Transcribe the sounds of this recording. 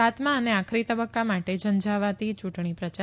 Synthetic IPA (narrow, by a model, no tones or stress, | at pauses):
at̪mãəneakʰɾit̪əbəkːamaʈed͡ʒənd͡ʒaʋat̪it͡ʃuʈɳ̃ipɾət͡ʃa